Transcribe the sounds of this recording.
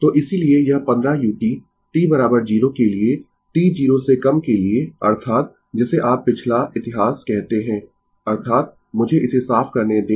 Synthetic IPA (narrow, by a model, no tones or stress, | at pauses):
t̪oːʔɪsiliejɐɦpɐ̃nd̪ɾajuːʈi | ʈiːbɐɾaːbəɾd͡ʒiːɾokelie | ʈiːd͡ʒiːɾosekɐmkelieɐ̰ɾt̪ʰaːt̪̚ | d͡ʒɪseʔaːpːɪt͡ʃʰlaɪt̪ɪɦaːskɛɦt̪eɦɛ̃ː | ɐɾt̪ʰaːt̪̚ | mʊd͡ʒʱeʔɪsesaːfkɐɾned̪eː